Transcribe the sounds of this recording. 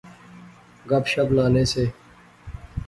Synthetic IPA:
ɡɐpʃəblaːneːseː

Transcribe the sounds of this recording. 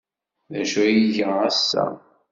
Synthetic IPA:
ðæʃujiʝəæsːæ̰

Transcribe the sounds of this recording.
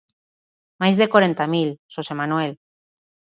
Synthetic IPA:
majzðekwoɾent̪amilʃosemanuwel

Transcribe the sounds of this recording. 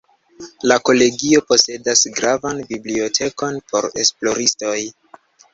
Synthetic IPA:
lako̞le̞ɡio̞po̞se̞dasɡɾavanbiblio̞tʰe̞ko̞npʰo̞̰ɾe̞̰splo̞ɾisto̞j

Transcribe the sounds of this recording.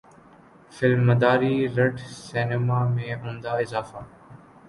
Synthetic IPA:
fɪlmːəd̪aːɾiːɾəʈseːnɪmaːmẽːɦũːnd̪aːɪzaːfaː

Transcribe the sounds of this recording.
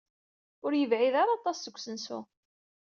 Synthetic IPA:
ʊɾjəvʕiðaɾˤɑt̪ˤɑsːəkʷːsənsṵ

